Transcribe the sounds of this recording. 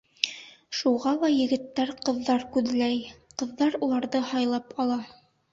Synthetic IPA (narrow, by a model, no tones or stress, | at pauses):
ʃuʁɑlˠɑjɘ̆ɡɘ̆t̪ːæɾqɤ̆ðːɑɾkʉðɘlæjqɤ̆ðːɑɾulˠɑɾðɤhɑjlˠɑpɑlˠɑ